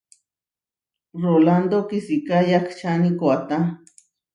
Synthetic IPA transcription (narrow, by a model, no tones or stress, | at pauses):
roland̪okisikajakʰt͡ʃanikoat̪a